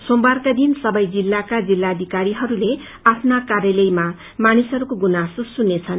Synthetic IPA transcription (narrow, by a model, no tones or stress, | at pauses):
sombarkad̪insʌbʌjd͡zilːakad͡zilːad̪ʱikaɾiɦʌɾule | apʰnakarjʌlʌjma | manisʌɾukoɡunasosunːet͡sʰʌn